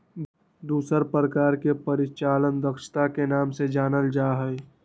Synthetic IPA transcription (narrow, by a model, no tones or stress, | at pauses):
d̪uːsəɾpɾəkaːɾkepəɾɪt͡ʃaːlənd̪əkʃt̪akenaːmsed͡ʒaːnəld͡ʒaːɦə